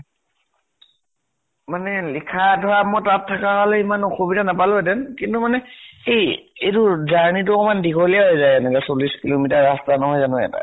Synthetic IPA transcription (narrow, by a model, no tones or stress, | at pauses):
manɛlikʰadʱɔwamɔjtatʰːakaɦalɛimanxobidanapalʊɛdɛnkintumanɛejetʊzaɹnit̬ʊkɔmandikʰoliaɦɔjzajɛnɛkasoliskilomitaɹɹastanɔɦɔjzanʊɛ̰ta̰